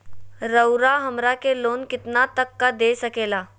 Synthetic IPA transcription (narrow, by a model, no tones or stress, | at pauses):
ɾəwɾaɦəmɾakelonkɪt̪nat̪əkːad̪esəkela